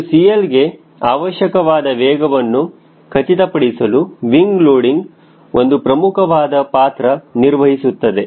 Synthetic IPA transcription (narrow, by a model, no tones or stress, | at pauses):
sijɐlɡe̞ | aːʋɐʃjɐkɐʋaːd̪ɐʋɛːɡɐʋɐnːu | kʰɐt͡ʃit̪ɐpɐɽisɐluʋiŋɡloːɽiŋɡ | ʔo̞nd̪upɾɐmukʰɐʋaːd̪ɐpaːt̪ɾɐniɾʋɐɦisut̪ːɐd̪e̞